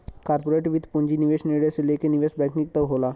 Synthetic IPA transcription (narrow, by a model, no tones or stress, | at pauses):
kaɾpoɾeʈʋit̪ʰpũɲd͡ʑiniʋeɕneɽeselekeniʋesbɛ̃knik̚t̪əʋɦola